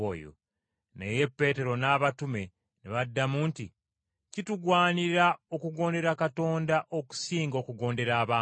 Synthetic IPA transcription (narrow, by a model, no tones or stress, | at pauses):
ojo̰ | nḛje̞pːe̞ːte̞ɾo̞naːβatume̞ | neβadːamuːnti | cituɡwaːniɾao̞kuɡo̞ːnde̞ɾakato̞ːndaʔo̞ku̥siːŋɡo̞ːkuɡo̞ːnde̞ɾaːβaː